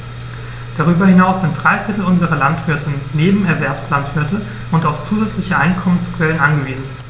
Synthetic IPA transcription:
d̥aʁ̞yːbɐhɪnaʊsz̥ɪnt̚d̥ʁaɪfɪɐtl̩ʊnzəʁɐlantv̥ɪɐtʰɪnːeːbm̩ɛɐvɛɐpslantv̥ɪɐtə | ʊntaʊft͡suːzɛt͡slɪçəʔa̰ɪnkʰɔmənskv̥ɛlənʔanɡəviːzn̩

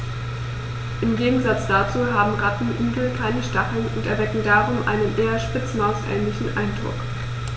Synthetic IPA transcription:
ʔɪmɡeːɡŋ̩zat͡sd̥at͡suːɦaːbm̩ʁatn̩ʔyːɡl̩kʰaɪnəʃtaχl̩nʊntɛɐvɛkŋ̩daːʁʊmʔa̰ɪnənʔeːɐʃpɪt͡smaʊsʔɛ̰ːnlɪçn̩ʔaɪndʁʊ̰k

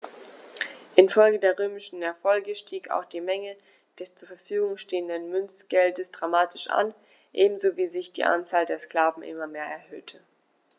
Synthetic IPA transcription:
ʔɪnfɔlɡədeːɐʁøːmɪʃn̩ɛɐfɔlɡəʃtʰiːka̰ʊxd̥iːmɛŋə | d̥ɛst͡suːɐfɛɐfyːɡʊŋʃteːəndənmʏnt͡sɡ̥ɛldəsd̥ʁamaːtʰɪʃʔa̰n | ʔeːbm̩zoviːzɪçd̥ḭːʔa̰nt͡saːldeːɐskl̥aːvn̩ʔɪ̰mɐmeːɐʔɛɐhøːtʰə

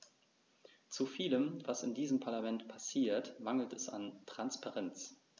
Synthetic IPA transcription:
t͡sufiːləmvasɪndiːzəmpʰaɐlamɛntpʰasiːɐtmaŋl̩tɛsa̰ntʁ̥anspaʁɛnt͡s

